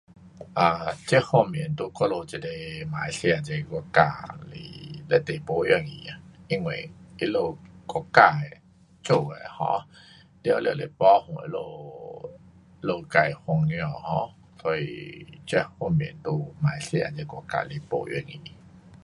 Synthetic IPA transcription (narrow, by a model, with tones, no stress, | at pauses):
ʔa˨˩t͡ɕɛ˦hɔ˥˧˨mji˨˦nt̪u˧˩kɔ˦lo˧t͡ɕi˧˩le˧mã˨˦jsja˧˨t͡ɕe˧kɔ˧ka˧lḭ˨˩le˦t̪e˨po˧jɛ˧˩ŋḭ̃˨a˨˩ | i˧˦ŋwe˨i˦lo˧˨kɔ˧˩ka˧˨e˨ | t͡ɕo˧˨e˨˩hɔ̰̃˧˦ | li˧˨ljle˨˩pɔ˦hũ˨e˧˦lo˧ | lo˧ka˧jhɔ˧ŋjɔ˧˨hɔ̃˧˦ | sɔ˧ḭ˨t͡ɕɛ˦˥hɔ˧mjḭ˨˦nt̪u˧˩mã˨˩˦jsjã̰˧t͡ɕɛ˧kɔ˧ka̰˧˨le˧po̰˧ʔjɛ̰˧˨ŋĩ˨˩